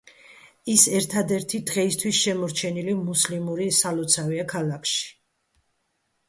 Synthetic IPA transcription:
isɛɾt̪ʰad̪ɛɾt̪ʰid̪ʁɛist̪ʰwisʃɛmɔɾt͡ʃʰɛnilimuslimuɾisalɔt̪sʰaviakʰalakʰʃi̥

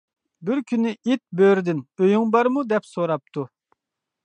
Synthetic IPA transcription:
bɪɾkʲʰynːɪʔit̪̚bøɾd̪ɪnøjyŋbɑɾmud̪ɛpsoɾɑp̚t̪ʰu

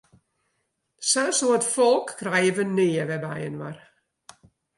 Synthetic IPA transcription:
sɛlsoətfɔlˠkːrɛjəʋənɪːəʋɛba̰jənʋa̰r

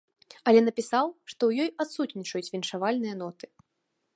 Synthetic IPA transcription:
ɐlʲɛn̪ɐpʲisawʂt̪ɔwjɔjat̪sut̪ʲnʲit͡ʂɐjut͡sʲvʲinʂavalʲnɨjɐn̪ɔt̪ɨ̥

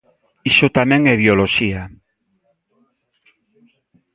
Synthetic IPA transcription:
iʃot̪amẽŋɛβjoloʃia

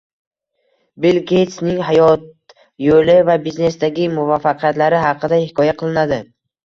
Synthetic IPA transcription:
bɪlɡʲet̪snɪŋɦajɒt̪̚ | jolɪvabizne̞sd̪aɡʲɪmʊvafːɑqʰjat̪laɾɪɦɑqʰːɨd̪ahɪkʰɒjaqʰɨlˠɪnad̪ɪ

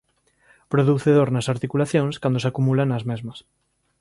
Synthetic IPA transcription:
pɾoðuθeðoɾnɐsaɾt̪ikulaθjõŋskand̪osakumulanɐzmezmɐs

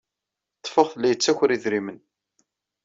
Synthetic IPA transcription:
t̪ˤːfəʁθlːæjət͡sːæçɾiðɾimən

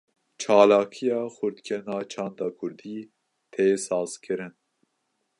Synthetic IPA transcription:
t͡ʃʰɑːlɑːkʰijɑːxʊɾd̪kʰʲɛnɑːt͡ʃʰɑːnd̪ɑːkʰʊɾd̪iː | t̪ʰeːsɑːz̥kʰɨɾɨn

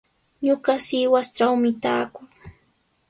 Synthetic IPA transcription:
ɲʊɢɑsɪwast͡ʃawmɪt̪aːkʊŋ

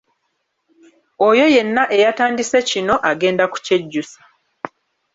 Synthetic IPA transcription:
ojo̞je̞nːaʔe̞jataːndise̞cino̞ʔaɡe̞ːndaku̥ce̞ɟːusḁ

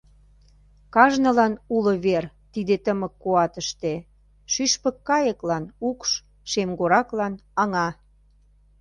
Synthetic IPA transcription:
kɑʒnə̆lɑnulə̆βer | t̪id̪et̪əmə̆kːoɑt̪əʃt̪e | ʃyʃpə̆kːɑjəklɑnukʃ | ʃemɡoɾɑklɑnɑŋɑ

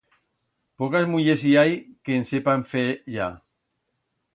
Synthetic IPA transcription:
pɔkazmuʎesiajkensepaɱfeʒa

